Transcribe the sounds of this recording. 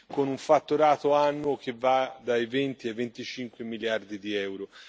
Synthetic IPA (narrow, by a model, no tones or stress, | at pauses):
konuɱfat̪ːuɾaːt̪oanːok̟evːad̪ajvent̪iavent̪it͡ʃiŋkwemiljard̪id̪iɛwɾo